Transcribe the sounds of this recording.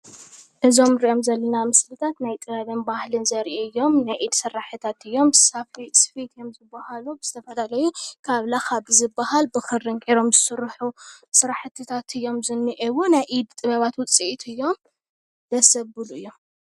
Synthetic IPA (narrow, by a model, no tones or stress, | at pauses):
ʔɨzo̞mɾiʔo̞mzɐlːɐnamɨslɨt̪ʰat̪najt̪ʼɨβɐβɨnbahlɨnzɐɾʔeɨjːo̞mnajʔid̪sɨrːaħɨt̪ʰat̪ɨjːo̞msafisfit̪ɨjo̞mzɨbːahalubɨz̥ɨt̪ʰɐfɐlalɐjukʰaβlaxaβɨzɨbahalbɨxɨɾːɨŋkʼiɾo̞mzɨsɨɾħusɨɾaħt̪ʰɨt̪ʰat̪ɨjːo̞mzɨnːɨʔɛβunajʔid̪t̪ʼɨβɐβat̪wʊt͡sʼiʔit̪ɨjːo̞m | d̪̥ɐsɐbɨluɨjːo̞m